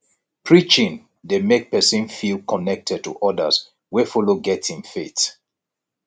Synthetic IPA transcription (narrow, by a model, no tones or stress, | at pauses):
pʰɹit͡ʃĩn | demek̚pɛsĩnfilˠkʰɔnɛk̚tʰɛd̚tṵʔɔdə̰s | wefɔloɡɛtĩŋfet